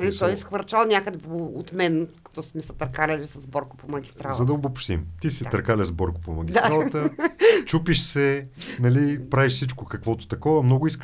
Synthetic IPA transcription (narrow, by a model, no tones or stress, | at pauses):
nt̪ɔjsxvɐɾt͡ʃalˠnʲakəd̪ɛpoot̪mɛnkɐ̥t̪ɔsmɛsɐt̪ɐɾkaɾɐlʲisɐzbɔɾko̥pomɐɡʲist̪ɾalˠzɐd̪ɐobopʃt̪ḭmt̪isit̪ɐɾkalʲɐzbɔɾkʊ̥pomɐɡʲisaɾalˠt̪ət͡ʃupiʃsɛnɐlipɾaviʃfsit͡ʃkokɐkvɔt̪ʊ̥t̪ɐkɔvɐmnɔɡʊisk